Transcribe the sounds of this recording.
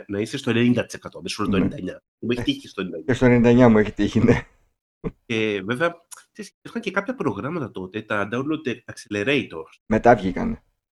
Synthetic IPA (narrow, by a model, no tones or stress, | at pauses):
nɐisest̪oe̞nenind̪ɐt̪i̥sekɐt̪oɐmesolɐt̪onnd̪ɐɲɐ | mueçt̪iest̪onnd̪ɐest̪o̞enenind̪ɐɲɐmueçet̪içine | eveveɐkseseɾxɐɲcekɐpçɐpɾo̞ɣɾɐmɐt̪ɐt̪o̞t̪et̪ɐnd̪ɐulot̪eɐkseleɾeit̪o̞sme̞t̪ɐvʝikɐ̰ne